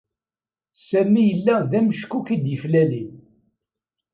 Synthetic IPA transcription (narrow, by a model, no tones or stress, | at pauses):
sæmijəlːæðæməʃkːukid̪jəflælin